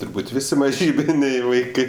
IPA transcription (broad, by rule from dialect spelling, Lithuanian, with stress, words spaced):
tʊrˈbuːtʲ ˈʋʲɪsʲɪ mɐˈʒʲiːbʲɪnʲɛɪ ʋɐɪˈkɜ